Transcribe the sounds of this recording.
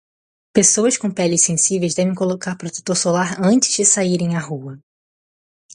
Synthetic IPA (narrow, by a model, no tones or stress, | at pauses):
pesowɐskõpɛlɪssẽsivejzd̪ɛvẽj̃kolokaɾpɾot̪et̪oɾsolaɾɐ̃t͡ʃɪ̥zd͡ʒɪsaiɾẽj̃ahuɐ